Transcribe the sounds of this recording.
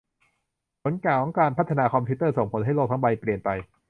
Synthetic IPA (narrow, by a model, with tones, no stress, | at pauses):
pʰo˩˦nkaː˨˩wɔ˦˥kaː˧npʰa˦˥t̪ʰːa˧naː˧kʰɔ˧mpʰi˦˥t̪ɤː˥˩so˨˩ŋpʰo˩˦nɦa˥˩jlo˥˩t̪ʰa˦˥ŋba˧jpli˨˩ənpa˧j